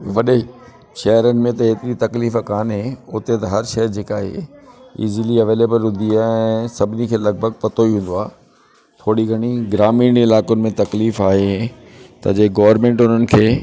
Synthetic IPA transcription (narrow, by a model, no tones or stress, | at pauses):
ʋɐɗe | ʃɐɦəɾənɪ̆mẽt̪ɐɦeːt̪ɪɾit̪ɐkliːfəkaːnɦeʊt̪et̪ɐɦɐɾʃɐɦəɾd͡ʑeːkaːɦḛɪ̰zliɐʋeːleːbəlɦʊ̃nd̪iaːɛ̃sɐbʱɪnikʰeːlɐɡ̚bʱəɡ̚pɐt̪oiɦũːn̆d̪oaː | t̪ʰoːɽiɡʱɐɽ̃iɡɪɾaːmiːnɪlaːkonɪ̆mẽt̪ɐkliːfaːɦe | t̪ɐ̰d͡ʑeːɡɐːʋəɾmẽːɳʈʊnənɪ̆kʰeː